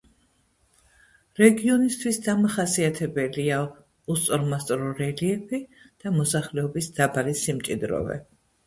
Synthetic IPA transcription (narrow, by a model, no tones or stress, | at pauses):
ɾɛɡiɔnist̪ʰwisd̪amaχasiat̪ʰɛbɛlia | ust̪sʼɔɾmast̪ʼɾɔɾɛliɛpʰi | d̪̥amɔsaχlɛɔbisd̪̥abalisimt͡ʃʼid̪ɾɔ̰vɛ̰